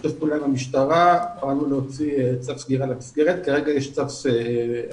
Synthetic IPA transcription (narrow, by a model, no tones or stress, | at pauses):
t̪ofpulamamiʃt̪aʁabaalnuleot͡sit͡safsɡiʁalamisɡeʁet̪kaʁeɡajeʃt͡safse